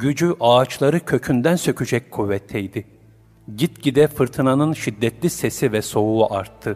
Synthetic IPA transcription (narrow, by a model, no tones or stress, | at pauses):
ɟyd͡ʒyʔaːt͡ʃlˠaɾɯcʰø̞cʰynd̪ænsø̞cʰyd͡ʒɛckʰuvːɛt̪ʰːɛjd̪ɪ | ɟit̪ɟid̪ɛfɯɾt̪ʰɯnanɯnʃid̪ːɛt̪lʲisesivɛso̞uʔaɾt̪ʰːɯ